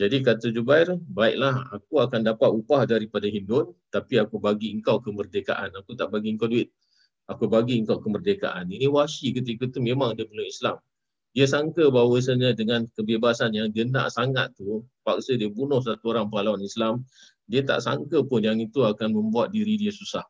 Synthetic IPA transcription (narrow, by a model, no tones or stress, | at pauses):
d͡ʒadikat̪əd͡ʒubairbaik̚laha̰k̚uakandapat̪upahdaɾipadaɦindʊnt̪apiakubaɡiəŋkawkəmərdeka̰ʔanakut̪aʔbaɡiəŋkawduɪt̪̚ | akubaɡiəŋkawkəmərdeka̰ʔaniniwaʃikət̪̬ikət̪umẽmaŋdiəbunuislam | diəsaŋkəbawəs̬aɲadəŋankəbebasanjaŋdəna̰ʔsaŋat̪ːupak̚sədiəbunʊhs̬at̪uoɾaŋpalawanislam | diət̪a̰ʔsa̰ŋkəpʊnjaŋit̪uakanmə̃mbuat̪̚diɾidiəsusah